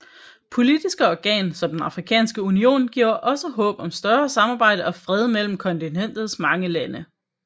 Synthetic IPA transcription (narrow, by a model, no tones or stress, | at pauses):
pʰo̝lid̥isɡ̥əɒɡ̥ɛ̰ːnsɒ̽md̥enɑ̈fʁikʰɛ̰ːnsɡ̥əunio̝̰ːnɡ̥iʊ̰ʔɒ̽səɦɔ̰̽ːb̥ɒ̽msd̥ɶɐsɑ̈mɑ̈ːb̥ɑ̈ɪ̰ɾ̥əɒ̽fʁɛð̞ˠmel̰m̩kʰɒ̽nt͡sʰinen̰d̥ð̩ˠsmɑ̈ŋəlænə